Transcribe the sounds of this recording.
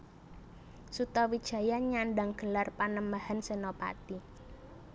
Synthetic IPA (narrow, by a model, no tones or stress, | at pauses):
sut̪ɔwid̥ʒ̥a̤jaɲaɳɖaŋɡ̥ə̤larpanəmbahansənɔpa̰t̪i